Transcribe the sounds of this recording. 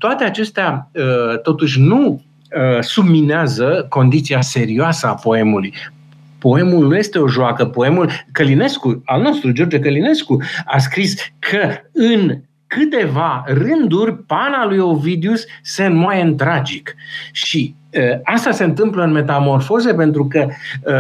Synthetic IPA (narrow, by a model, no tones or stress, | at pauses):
t̪oat̪e̞at͡ʃe̞st̪eaət̪o̞t̪uʃ̬ʲnu | əsubmineazəko̞nd̪it̪siase̞ɾioasəapo̞e̞muluj | po̞e̞mulnuje̞st̪e̞o̞ʒoakəpo̞e̞mulkəline̞skualno̞st̪ɾud͡ʒo̞rd͡ʒekəline̞skuas̬kɾiskʰəɨn | kɨt̪e̞varɨnd̪urʲpanalujo̞vid̪usːenmwajeɨnt̪ɾad͡ʒikʃi | əast̪ase̞ɨnt̪ɨmpləɨnme̞t̪amo̞rfo̞ze̞pe̞nt̪ɾukə